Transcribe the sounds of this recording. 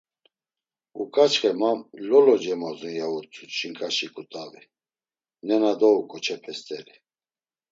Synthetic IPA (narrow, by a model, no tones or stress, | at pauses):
ukʼat͡ʃχɛmamlɔlɔd͡ʒɛmɔzinjaut͡sʰʼut͡ʃʰʼiŋkʼaʃikʼut̪ʼavi | nɛnad̪ɔukʼɔt͡ʃʰɛpʰɛst̪ʰʼɛli